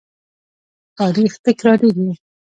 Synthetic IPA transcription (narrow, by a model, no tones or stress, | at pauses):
t̪ɑːɾixt̪əkɾɑɾeɡi